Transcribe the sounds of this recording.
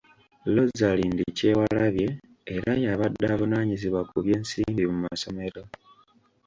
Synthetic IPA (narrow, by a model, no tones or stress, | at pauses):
lo̞zaliːndḭce̞walaβje̞ː | ɾajaβadːaːβunaːɲiziβwakuβje̞ːnsiːmbimuma̰so̞me̞ɾo